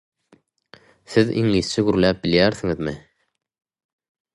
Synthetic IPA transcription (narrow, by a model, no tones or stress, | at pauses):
θiðiŋiːθt͡ʃʰɪɡyɾlæːp̚biljæːɾθiŋiðmi